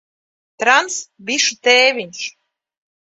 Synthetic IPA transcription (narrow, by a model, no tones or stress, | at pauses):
t̪ɾansbiʃut̪eːvʲiɲʃ